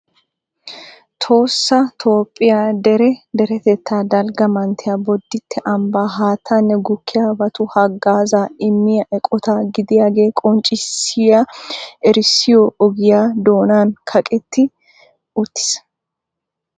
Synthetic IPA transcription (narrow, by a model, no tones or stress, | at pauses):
t̪ʰo̞ːsːɐt̪ʰo̞ːpʼːɪjaːd̪ɛɾɛd̪ɛɾɛt̪ɛt̪ːaːd̪ɐlɡɐmɐnt̪ʰɪjaːbɔd̪ːɪt̪ʰːɛʔɐmbaːɦaːt̪ʰːanːɛɡʊkʰːɪjaːbɐt̪ʊhɐɡaːzaːɪmːɪjɐʔɛkʼɔt̪aːɡɪd̪ɪjaːɡe̞ːkʼɔnt͡ʃʼɪsɪjaʔɛɾɪsɪjoːɔɡɪjaːd̪o̞ːnaːnkʰɐkʼɛt̪ːɪ | ʊt̪ːɪ̥s